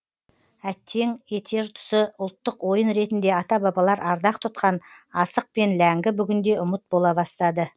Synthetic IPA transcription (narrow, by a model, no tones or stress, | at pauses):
æt̪ʰːe̞ŋe̞t̪ʰe̞ɾt̪ʰʊ̥səʊlˠt̪ːəqwo̞jənɾe̞t̪ɪnd̪e̞ɑt̪ɑbɑbɑlˠɑɾɑɾd̪ɑqt̪ʰʊt̪̚qɑnɑsəq̚pe̞nlæŋɡʲɪbʏɡʲɪnd̪e̞ʔʊmət̪̚bo̞lˠɑbɑst̪ɑd̪ə